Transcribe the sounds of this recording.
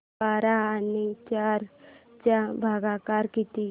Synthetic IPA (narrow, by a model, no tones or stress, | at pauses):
aːɾaanit͡ʃaːɾt͡ʃabʱaːɡakaɾkit̪i